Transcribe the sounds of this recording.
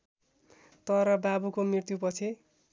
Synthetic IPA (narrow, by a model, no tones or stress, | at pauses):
t̪ʌɾʌbabukomrirt̪jupʌt͡sʰe